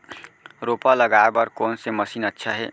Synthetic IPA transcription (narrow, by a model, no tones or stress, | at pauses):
ɾopaləɡaebʌɾkonseməsinətːʃʰaɦe